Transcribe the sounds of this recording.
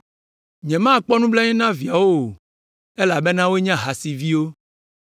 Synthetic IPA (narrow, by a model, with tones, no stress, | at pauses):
ɲɛ̃˨mã˦˨k͡pɔ˦nũ˦blɛ˦ɲɛ̃˦nã˦vi˨a˨wo˦o˨ | e˦la˨be˦nã˦wo˦e˦ɲã˦ɦa˨si˨vi˦wo˦